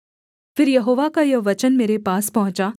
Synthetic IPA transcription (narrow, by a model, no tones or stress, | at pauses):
fɪɾjɐɦoːʋakajɐʋɐt͡ʃənmeːɾepaːspɐɦʊ̃t͡ʃaː